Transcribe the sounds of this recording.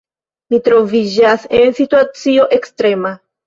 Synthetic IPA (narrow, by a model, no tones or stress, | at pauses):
mit̪ɾo̞vid͡ʒase̞nsituat͡sio̞ʔe̞kstɾe̞ma